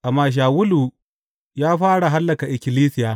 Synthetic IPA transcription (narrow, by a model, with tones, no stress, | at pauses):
ʔa˨mːaː˨ʃ̬aː˨wʊ˦lu˨ | jaː˦ɸaː˦ɽa˨ɦa˦lːɐ˨ka˨ʔɪ˨kʲɪ˨liː˦sɪ˦jaː˨